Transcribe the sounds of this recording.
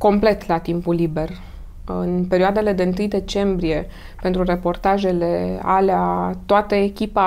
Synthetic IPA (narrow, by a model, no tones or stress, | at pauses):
ko̞mple̞t̪lat̪impulːibe̞r | ɨ̰npe̞ɾioad̪e̞le̞d̪e̞ɨnt̪ɨjd̪e̞t͡ʃe̞mbɾije̞ | pe̞nt̪ɾure̞po̞rt̪aʒe̞lea̰leat̪oat̪əekʲipa